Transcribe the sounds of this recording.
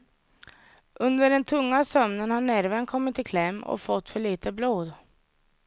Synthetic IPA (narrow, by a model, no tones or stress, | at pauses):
ʔɵnd̪əɖɛnt̪ʰɵŋːasœmnənhanːæɾvənkʰɔmːɪt̪ːɪkʰlɛmːɔ̰fɔt̪ːfœɭiːt̪əbloːd̪